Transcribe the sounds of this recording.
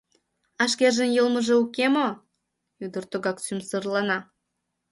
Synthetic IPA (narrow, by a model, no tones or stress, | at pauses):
ɑʃkerʒənjəlmə̆ʒĕukemo | yd̪ə̆rt̪oɣɑksymsərlɑnɑ